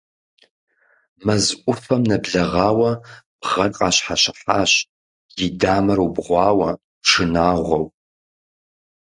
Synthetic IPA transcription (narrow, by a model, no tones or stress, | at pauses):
mɐzʔʷʼʊfɐmnɐbɮɐʁɑːwɐb̥ʁɐnqʼaːɕħaɕɪħaːɕ | jɪdaːmɐɾwbʁʷɑːwɐ | ʂʰɨnaːʁʷɐw